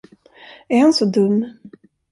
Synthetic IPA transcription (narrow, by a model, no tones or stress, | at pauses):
æɾhansɔd̪ɵmː